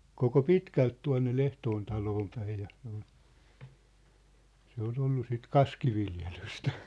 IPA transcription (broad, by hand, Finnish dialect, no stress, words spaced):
koko pitkælt tuɑ̝nːe l̥ehtoːn tɑloːm pæij jɑ se̥ o̥l̥ se ol olːu sit kɑskiʋiljelystæ